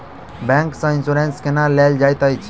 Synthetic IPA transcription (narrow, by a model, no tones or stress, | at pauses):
bɛ̃ŋksə̃insuɾenskenaleld͡ʒajt̪əjt͡ʃʰ